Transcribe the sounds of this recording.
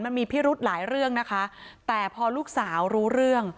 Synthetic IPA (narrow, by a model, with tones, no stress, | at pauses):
nma˧nmiː˧pʰiː˦˥˩ɾu˦˥t̪̚laː˩˦jɾɯ˥˩əŋna˦˥kʰa˦˥t̪ɛː˨˩pʰɔː˧luː˥˩k̚saː˩˦wɾuː˦˥ɾɯ˥˩əŋ